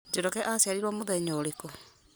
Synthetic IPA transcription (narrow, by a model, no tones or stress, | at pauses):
d͡ʒeɾɔkɛʔasiaɾiɾwɔmoðɛɲoːɾeko